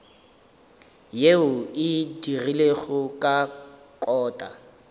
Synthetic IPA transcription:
jeʊɪdirileɣʊkʼa | kʼɔːtʼa̰

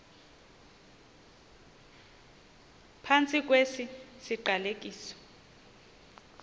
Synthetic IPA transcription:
pʰant͡sʼik̬ʼwesisiǃalek̬ʼiːsɔ̥

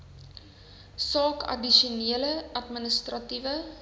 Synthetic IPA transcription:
sɑːkɐ̰diʃuniələʔɐtmənəstrɐtivə

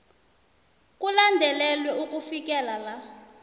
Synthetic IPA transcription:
k̬ʼulandʱɛlɛlwɛukʼufik̬ʼɛlala

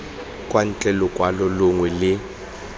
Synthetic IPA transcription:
kʼwan̩t͡ɬʼɛlɔkʼwalɔlʊŋwɛlɪ

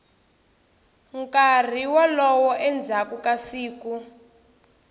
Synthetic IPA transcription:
ŋkar̤iwalɔwɔʔɛnd͡zʱakukasiːku

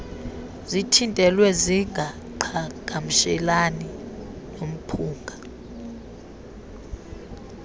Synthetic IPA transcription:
zitʰintʼɛlwɛziŋɡa | ǃʰaɡ̥ʱam̩ʃɛlaninom̩pʰuːŋɡʱa

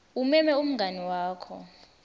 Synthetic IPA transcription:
umɛmɛum̩ŋɡʱaniwaːkʰɔ̰

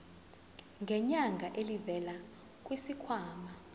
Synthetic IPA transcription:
ŋɡʱɛɲaŋɡʱaʔelivɛla | k̬ʼwisikʰwaːma

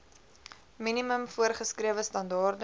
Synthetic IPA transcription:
miniməmfuərχəskriəvəstɐndɑːrd

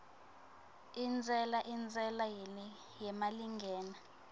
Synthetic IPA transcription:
ind͡zʱʼɛlaʔind͡zʱʼɛlajɛ | jɛmaliŋɡʱɛːna

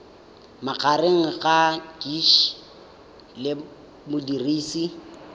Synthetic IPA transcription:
mak͡xʰareŋ̩ɣad͡ʒiʃ | lɪ | mʊdiriːsi

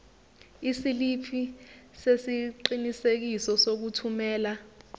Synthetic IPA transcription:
isilipʰisesiǃinisek̬isɔsok̬utʰumɛːla

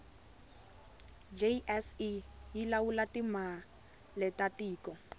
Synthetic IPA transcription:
d͡ʒeʔɛsijilawulatima | lɛtatiːkɔ

